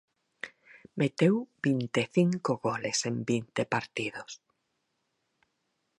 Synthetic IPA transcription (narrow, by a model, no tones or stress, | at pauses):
met̪ewbint̪eθiŋkoɣolesembint̪epaɾt̪iðos